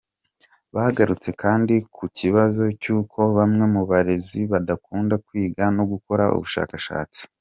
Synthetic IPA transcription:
βahaɡaɾut͡se̞kʰaːndikʰuciβazo̞cuːkʰo̞βamŋe̞muβaɾe̞ziβadakuːndakwiːɡanoɡuko̞ɾaʔṵβuʃa̰ːkaʃa̰ːt͡si̥

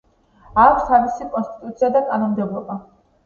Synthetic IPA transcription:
akʷʰst̪ʰavisikʼɔnst̪ʼit̪ʼut̪sʰiad̪akʼanɔmd̪ɛblˠɔba

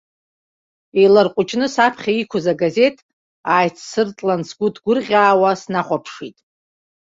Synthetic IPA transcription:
ejlarqʷʼʊt͡ʃʰnɨsapʰχʲaikʷʰʊzaɡaze̞tʰʼ | aːjt͡sʰsɨrt͡sʼlansɡʷʊdɡʷʊrʁʲaːwasnaχʷapʰʂitʼ

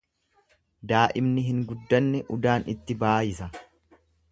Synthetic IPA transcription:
d̪aːʔɪmnɪɦɪŋɡʊd̪ːɐnːɛʔʊd̪aːnɪ̰t̪ːɪbaːjɪsɐ

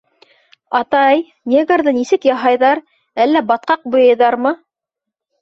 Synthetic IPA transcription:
ɑt̪ɑj | nʲeɡaɾðɤnisɘkjɑɦɑjðɑɾ | ælːæbɑt̪̚qɑq̚bŏjɤ̆jðɑɾmɤ

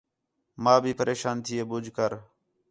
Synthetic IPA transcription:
mãːbʱiːpəɾʔeːʃaːnt̪ʰɪeːbʊd͡ʒʱkəɾ

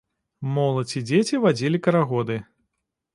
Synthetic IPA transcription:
mɔlˠɐt͡sʲid͡zʲet͡sʲivad͡zʲilʲikɐɾaɣɔd̪ɨ

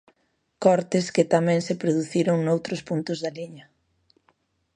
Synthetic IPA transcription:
kɔɾt̪ɪskɪt̪amɛ̃ŋsepɾoðuθiɾoŋnowt̪ɾʊspunt̪ʊzðaliɲɐ

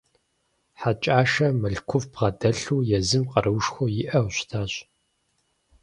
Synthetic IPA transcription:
ħat͡ʃʼaːʃɐmɨɬkʷʰʊvbʁɐdɐɬuːjɛzɨmqɐɾɨwʃxʷʊjɪʔɐwɕʷtʰaːɕ

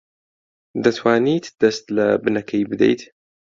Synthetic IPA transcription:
d̪at̪ʰwaːniːt̪d̪̥ɐst̪labnakʰajbɨd̪ḛjt̪

